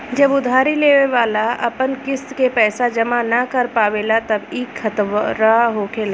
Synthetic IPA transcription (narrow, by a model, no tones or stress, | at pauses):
d͡ʒɐbʊd̪ʱaːɾileːʋeʋaːlaɐpənkɪst̪kepɛːsad͡ʒɐmanɐkɐɾpaːʋeːlat̪ɐbiːkʰːɐt̪ʋɾaɦoːkʰeːl